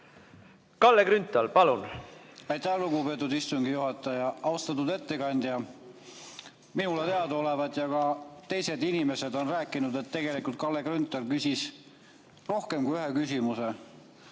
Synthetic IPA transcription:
kɑlːekɾynt̪ˑːɑlpɑlunɑjt̪æhluɡupe̞t̪ːˑud̪ist̪uŋɡijuɦɑt̪ːˑɑjɑɑust̪ɑt̪ːud̪e̞t̪ːe̞kɑnʲd̪̥jɑ | minulet̪e̞ɑd̪o̞le̞vɑd̪jɑkɑt̪e̞jse̞d̪inime̞se̞d̪o̞nræːkːˑinud̪̥e̞t̪ːe̞ɡ̥e̞likult̪̚kɑlːe̞krynt̪ːˑɑlkysʲis | ro̞hke̞mkujyɦe̞kysʲimuse

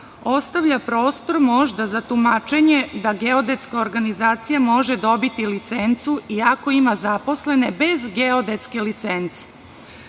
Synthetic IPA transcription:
o̞st̪aʋʎapɾo̞ːst̪o̞ɾmoʒd̪azat̪umat͡ʃe̞ɲe̞d̪aɡeod̪e̞t̪skao̞ɾɡanizaːt̪sijamo̞ʒed̪o̞bit̪ilit̪sent̪suiako̞imazapo̞sle̞nebe̞zɡeod̪e̞t̪ske̞lit̪sent̪se̥

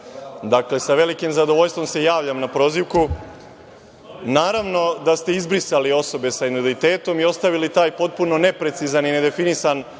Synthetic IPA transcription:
d̪akle̞saʋe̞likimzad̪o̞ʋo̞ʎst̪ʋo̞mse̞jaːʋʎamnapɾo̞ːziʋku | naːɾaʋno̞d̪ast̪e̞izbɾisalio̞so̞be̞sainodit̪e̞ːt̪o̞miost̪aʋilit̪aːjpo̞t̪̚puno̞ne̞pɾe̞t̪sizanine̞d̪e̞finisan

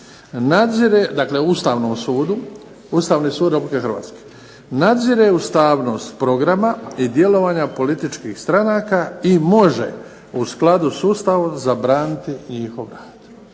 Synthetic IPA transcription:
nad̪ziɾed̪akle̞ust̪aːʋnoːmsuːd̪u | ust̪aːʋniːsuːd̪ɾepublikexrɾʋa̰ːt̪ske̥ | nad̪ziɾeust̪aːʋno̞ːst̪pɾo̞ɡɾamaid̪je̞lo̞ʋaɲapo̞lit̪it͡ʃkiːxst̪ɾanaːkaimo̞ʒḛ | usklˠad̪usuːst̪aʋozabɾaːnit̪iɲixo̞ʋɾaːd̪̥

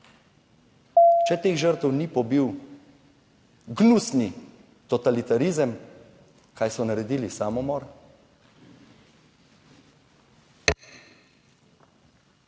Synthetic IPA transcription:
t͡ʃɛt̪eːxʒəɾt̪əwnipɔbiw | ɡnusni | t̪ɔt̪alit̪aɾizəm | kʰaːjsɔnaɾɛd̪iːlisaːmɔmɔːɾ

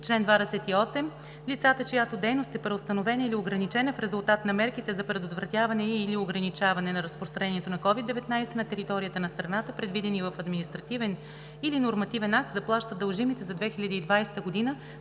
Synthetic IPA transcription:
t͡ʃlɛnd̪vad̪ɛsɛt̪iɔsɛm | lit̪sat̪ət͡ʃojat̪od̪ɛjnost̪ɛpɾɛost̪ɐnovɛnəilioɡɾɐnit͡ʃɛnəfɾɛzʊlˠt̪at̪nɐmɛɾkit̪ɛzɐpɾɛd̪ot̪vɾɐt̪javɐnɛilioɡɾɐnit͡ʃavɐnɛnɐɾəspɾost̪ɾɐnɛniɛt̪onɐkɔvid̪ːɛvɛt̪najsɛnɐt̪ɛɾit̪ɔɾijət̪ənɐst̪ɾɐnat̪əpɾɛd̪vid̪ɛnivəfɐd̪minist̪ɾɐt̪ivɛn | ilinoɾmɐt̪ivɛnak̚t̪zɐplˠaʃt̪əd̪əlˠʒimit̪ɛzɐd̪vɛxilʲɐd̪iːd̪vajsɛ̥t̪əɡod̪inə

